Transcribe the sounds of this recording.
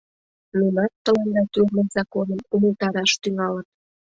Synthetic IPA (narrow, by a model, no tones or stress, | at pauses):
nunɑt̪ːəlend̪ɑt̪yrnənzɑkonəmuməlt̪ɑɾɑʃt̪yŋɑlən